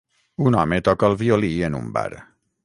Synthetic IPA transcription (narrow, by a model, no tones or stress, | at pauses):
unɔmet̪ɔkəːlˠβiolienṵmba̰ɾ